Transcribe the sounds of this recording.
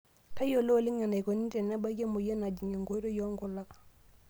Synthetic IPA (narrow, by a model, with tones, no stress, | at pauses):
ka˦jo˨lo˦˨li˦ŋa˨na˨jko˨ni˦nte˨na˦ba˦ɡe˦mu˨je˦na˨d͡ʒi˨ŋe˨ŋɡo˦ɾo˦jo˦ŋɡo˦˨la˦k